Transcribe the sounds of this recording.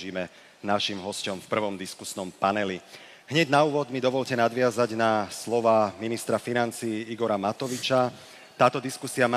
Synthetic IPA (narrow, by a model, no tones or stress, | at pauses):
iːmɛ | naʃimɦɔscɔmfpr̩ʋɔmd̪iskusnɔmpanɛli | ɦɲɛɟnauːʋɔd̪mid̪ɔʋɔʎcɛnad̪ʋɪazaɟnaslɔʋaːminist̪ɾafinant͡siːiɡɔɾamat̪ɔʋit͡ʃa | t̪aːt̪ɔd̪iskusiama